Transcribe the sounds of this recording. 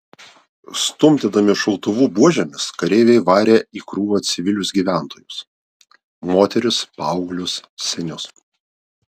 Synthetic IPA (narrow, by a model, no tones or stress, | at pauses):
st̪ʊmʲt̪ʲed̪ɐmʲɪʃɐlˠt̪ʊʋuːbuɔʒʲɛmʲɪskɐɾʲeːʋʲɛɪʋɑːɾʲeːiːkɾuːʋoːt̪sʲɪʋʲɪlʲʊsɡʲiːʋʲæˑnt̪oːjʊs | moːt̪ʲɛɾʲɪspɑˑʊɡlʲʊssʲɛnʲʊs